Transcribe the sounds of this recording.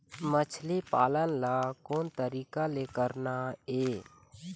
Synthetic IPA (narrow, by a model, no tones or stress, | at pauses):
mət͡ʃʰlipaːlənlakoːnt̪əɾiːkalekəɾnaeː